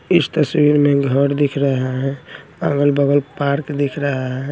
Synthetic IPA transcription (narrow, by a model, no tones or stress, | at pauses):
ist̪əswiɾmeɡʱəɾd̪ikʰɾəɦaɦɛ̃ãɡəlbəɡəlpaɾkd̪ikʰɾəɦaɦɦɛ